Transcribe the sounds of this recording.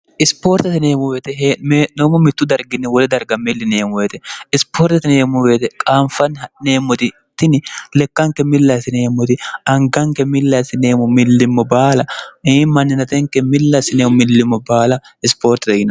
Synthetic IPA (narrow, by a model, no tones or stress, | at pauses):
ʔɪspo̞ːɾt̪ɐt̪ɪneːmʊweːt̪ɛɦmeːʔnomʊmɪt̪ːʊd̪ɐɾɡɪnːɪwɔlɛd̪ɐɾɡɐmɪlːɪneːmʊweːt̪ɛɪspʰoːɾt̪ɐt̪ɪneːmʊweːt̪ɛkʼaːmfɐnhɐne̞ːmːɔt̪ɪ | t̪ːɪnɪlɛkːɐŋkɛmɪlːɐsɪneːmːɔt̪ɪɐŋɡɐŋkɛmɪlːɐsɪneːmʊmɪlːɪmːɔbaːlɐeːmɐnːɪnɐt̪ɛŋkɛmɪlːɐsɪneːmʊmɪlːɪmːɔbaːlɐ | ɪspoːɾt̪ɪt̪ɐjɪn